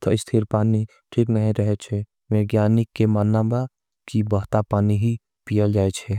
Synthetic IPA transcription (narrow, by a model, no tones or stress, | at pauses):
t̪ɐɪst̪ʰiɾpaːni | ʈʰiːknəɦĩɾəɦet͡ʃʰɛ | ʋeɡjaːnɪkːemaːnːaba | kibəɦt̪apaːniɦi | pijəld͡ʒaːet͡ʃʰɛ